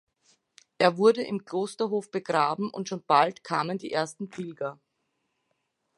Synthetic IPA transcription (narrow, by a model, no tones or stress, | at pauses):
ʔeːɐvʊɐdəʔɪmkl̥oːstɐɦoːfb̥əɡʁaːbm̩ʔʊ̰ntʃoːnb̥altkʰaːməndiːʔeːɐstn̩pʰɪlɡɐ